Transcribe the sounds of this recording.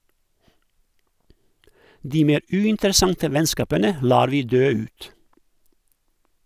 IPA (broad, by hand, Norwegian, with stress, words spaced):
ˈdiː ˈmeːɾ ˈʉːɪntəɾəˌsɑntə ˈʋɛnˌskɑːpənə ˈlɑːɾ ˈʋiː ˈdøː ˈʉːt